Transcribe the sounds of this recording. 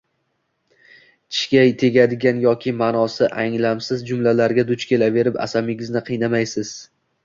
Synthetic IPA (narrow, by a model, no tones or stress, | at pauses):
t̪ʰɪ̥ʃkʲajt̪ʰe̞ɡʲad̪ɪɡʲanjɒkʲʰɪmanɒsɪʔaŋlamsɪzd͡ʒʊmlalaɾɡʲad̪ʊt͡ʃkʲe̞lave̞ɾɪpa̰samɪɡʲɪznɪqʰɨjnamajsɪz̥